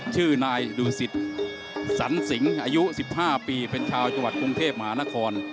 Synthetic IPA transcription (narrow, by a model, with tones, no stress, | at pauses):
t͡ɕʰɯː˥˩naː˧jluː˧si˨˩t̪̚ | sa˩˦nsi˩˦ŋʔaː˧ju˦˥si˨˩p̚haː˥˩piː˧pe˧nt͡ɕʰaː˧wt͡ɕa˧ŋwa˨˩t̪̚kɾu˧ŋt̪ʰeː˥˩p̚ma˧ɦaː˩˦˥na˦˥kʰɔː˧n